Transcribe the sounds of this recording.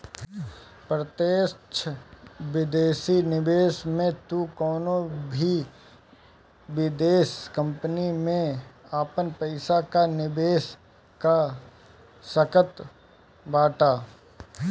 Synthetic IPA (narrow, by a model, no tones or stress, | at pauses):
pɾət̪eːt͡ʃʰʋɪd̪eːsinɪbeːsmẽt̪ukɔːnobʱi | ʋɪd̪eːskə̃mpnimẽaːpənpɐɪsakanɪbeːs | ka | səkət̪ | baːʈaː